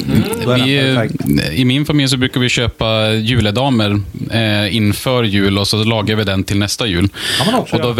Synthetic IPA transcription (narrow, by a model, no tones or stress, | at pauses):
vɪ | ɪmɪnfamɪljs̬ɔbɾʉːkaɾvɪɕøːpajʉ̟ːləd̪ɑːməɾ | ɪnːfœɾjʉ̟ːlɔsɔlɑːɡavɪd̪ɛnt̪ʰɪlnɛst̪ajʉ̟ːlɔd̪ɔ